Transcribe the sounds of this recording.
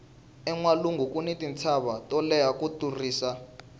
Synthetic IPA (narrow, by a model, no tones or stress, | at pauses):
ɛŋwaluŋɡukʼunitʼint͡sʰaβatʼɔlɛjakuturiːsa